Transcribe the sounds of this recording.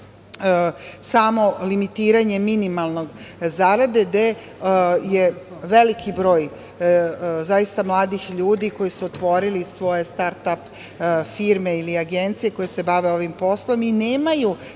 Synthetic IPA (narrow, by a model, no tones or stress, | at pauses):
samo̞limit̪iːɾaɲe̞minimalˠno̞ɡzaɾad̪e̞d̪e̞ | jeʋe̞likʰibɾo̞ːj | zajist̪amlˠaːd̪ixʎuːd̪iko̞jisuot̪ʋo̞ɾilisʋo̞je̞st̪aɾt̪ap | fiɾmeiliaɡent̪sije̞ko̞jese̞baʋe̞o̞ʋimpo̞slˠo̞mineːmaju